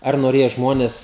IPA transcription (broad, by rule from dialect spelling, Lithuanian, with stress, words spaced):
ˈɐr noːˈrʲeːjɛ ˈʒmoːnʲɛs